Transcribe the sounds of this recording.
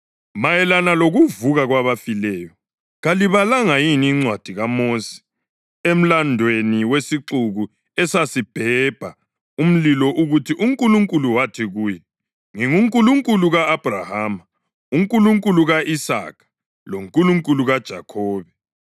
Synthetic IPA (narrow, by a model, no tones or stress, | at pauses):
majɛlanaloɣuvuɣaɣwaβafilɛːjɔ | ɣaliβalaŋajiniːŋ͡ǀwad̥ʱiɣamosi̥ | em̩landʱweniwesiǁuɣu | ɛsasib̥ʱɛb̥ʱa | um̩lilɔʔuɣutʰiʔuŋkʼuluŋkʼuluwatʰiɣuːjɛ | ŋiŋuŋkʼuluŋkʼuluɣaːb̥ʱrahaːma | uŋkʼuluŋkʼuluɣaʔisa̰ːkʰḁ | loŋkʼuluŋkʼuluɣad̥ʒ̥ʱakʰɔːβɛ